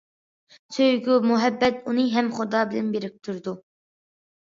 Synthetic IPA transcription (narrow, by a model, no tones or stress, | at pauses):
søjɡʲumuɦɛbːɛt̪unɨɦɛmχʊd̪ɑːbɪlɛnbeɾɪk̚ʲt̪ʰuɾd̪u